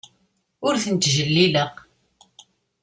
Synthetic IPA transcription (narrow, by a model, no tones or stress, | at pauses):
ʊɾθənt̪ʒəlːiləq